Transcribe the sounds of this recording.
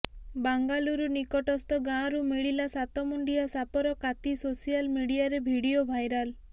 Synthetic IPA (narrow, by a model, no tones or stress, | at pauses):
baŋɡaluɾunikɔʈɔst̪ɔɡãɾumiɭilasat̪ɔmuɳɖijasapɔɾɔkat̪isosijalmiɽijaɾebʱiɽijobʱajɾal